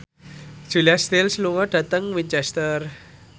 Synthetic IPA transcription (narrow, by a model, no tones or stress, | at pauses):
d̥ʒ̥ṳliast̪ɪlsluŋɔɖ̥ä̤t̪əŋwiɲt͡ʃɛst̪ər